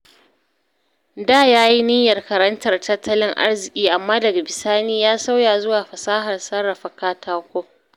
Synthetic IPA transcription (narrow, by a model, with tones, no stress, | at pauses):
daː˦˨jaː˦ji˦nɪ˦jɐ˨rkɐ˨ɾɐ˦ntɐ˨rtɐ˦tʰːɐ˦lɪ˦ŋʔa̰˦rzɪ˨kʲʼiː˦ʔa˨mːaː˦dɐ˨ɡa˨bɪ˨saː˦niː˦jaː˦sa˦wjaː˨zʊ˦waː˨ɸɐ˨saː˦ɦɐ˨rsɐ˦rːɐ˨ɸɐ˦˨kaː˦taː˦kʷoː˦